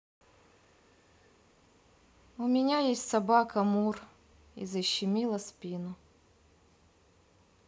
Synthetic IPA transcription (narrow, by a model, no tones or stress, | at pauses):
ʊmʲɪnʲajesʲtʲsɐbakɐmur | ḭzəɕːɪmʲilˠəspʲinʊ